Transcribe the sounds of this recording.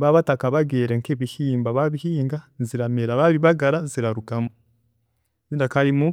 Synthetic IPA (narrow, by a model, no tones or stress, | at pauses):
βaβatakaβaɡeːɾeŋkeβihiːmbaβaβihiːŋɡaziɾameɾaβaβiβaɡaɾaziɾaɾukamo | βiːndakaɾimu